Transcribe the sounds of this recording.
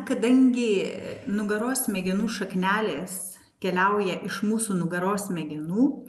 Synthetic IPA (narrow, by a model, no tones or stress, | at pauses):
kɐd̪ɐŋʲɡʲɪnʊɡɐɾoːsmʲɛɡʲɛnuːʃɐknʲæːlʲeːs | kʲɛlʲɛʊjɛʔɪʃmuːsuːnʊɡɐɾoːsmʲɛɡʲɛnuː